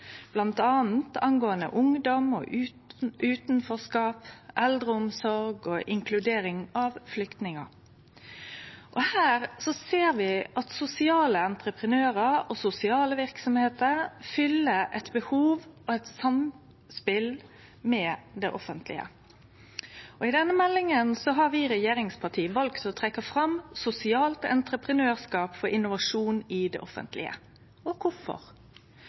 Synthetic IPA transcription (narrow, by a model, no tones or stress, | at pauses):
b̥lɑnt̪ɑːn̩t̪ɑŋɡoːənə̰ʔʊŋd̪ɔmɔ̰ʔʉ | ʔʉːt̪nfɔskɑːpʔɛld̪ɾəʊmsɔɾɡɔʔɪŋkʰlʉd̪eːɾɪŋɑʋflʏkt̪nɪŋə | ʔɔhæːɾsɔseːɾʋɪʔɑt̪sʊsɪɑːləɑnt̪ɾəpʁənøːʁəɾɔsʊsɪɑːləʋɪɾksɔmheːt̪əɾfʏlːəʔɛt̪bəhuːʋɔɛt̪sɑm | spɪl | mɛd̪ɛʔɔfənt̪ʰlɪ̰ə̰ | ɔɪd̪ɛnːəmɛlːɪŋənsɔɦɑɾʋiːɾɛjeːɾɪŋspʰɑʈʰiːʋɑlkt̪ɔt̪ʰɾɛkːəfɾɑmsʊsɪɑːlt̪ɛ̰nt̪ɾəpɾənøːʁskɑːpfɔɾɪnʊʋɑʂuːnɪd̪ɛ̰ʔɔfə̰nt̪ʰlɪ̰ə̰ | ɔkʰʊfɔ̰ɾ